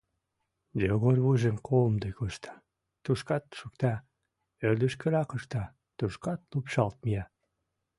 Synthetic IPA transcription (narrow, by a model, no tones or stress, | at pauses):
doɣorβuʒemkʰomd̪ojkoʃt̪ʰɑ̥ | t̪uʃkɑt̪ʃukt̪ɑ | ørd̪yʃkeɾɑkəʃt̪ɑ | t̪uʃkɑt̪lupʃɑlt̪̚mijɑ